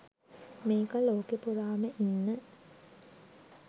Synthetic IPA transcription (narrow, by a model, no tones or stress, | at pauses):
meːkəloːkepuɾaːməʔinːə